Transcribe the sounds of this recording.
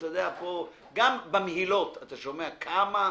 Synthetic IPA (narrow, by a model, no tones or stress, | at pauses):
tjod̪eapo | ɡambemehilo̞t̪at̪aʃo̞meakʰama